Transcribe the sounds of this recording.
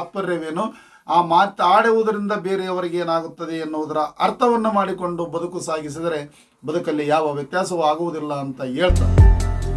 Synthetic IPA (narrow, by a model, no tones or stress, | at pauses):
ɐpːɐɾːeʋeːnu | aːmaːt̪aːɽeʋud̪ɐɾind̪ɐbe̞ːɾejɐʋɐɾɛɡeːnaːɡut̪ːɐd̪eːnːuʋud̪ɐɾɐʔɐɾt̪ʰɐʋɐnːumaːɽiko̞ɳɖubɐd̪ukusaːɡis̬id̪ɐɾe̞ | bɐd̪ukɐlːijaːʋɐʋjɐt̪jaːsɐʋuaːɡuʋud̪ilːɐːnt̪ɐɦe̞ːɭt̪a̰ːɾ